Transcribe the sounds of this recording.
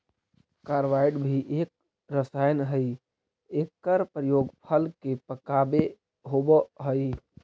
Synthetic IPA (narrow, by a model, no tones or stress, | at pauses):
kaːɾʋaɪɖbʱiʔeːk̚ | ɾəsajnɦəi | ekːəɾpɾəjoːɡpʰəlkepəkabe | ɦobɦəi